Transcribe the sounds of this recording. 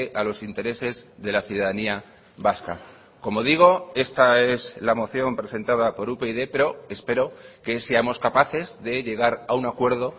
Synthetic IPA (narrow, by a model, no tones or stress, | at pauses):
ʔalo̞sint̪e̞ɾe̞se̞zðe̞laθjuðaðania | βaska̰ | ko̞mo̞ðiɣ̞o̞e̞st̪ae̞zlamo̞θjo̞mpɾe̞se̞nt̪að̞apo̞ɾupe̞iðepe̞ɾo̞e̞spe̞ɾo̞ke̞seamo̞skapaθe̞zðe̞ʎe̞ɣ̞aɾaunakwe̞ɾð̞o̞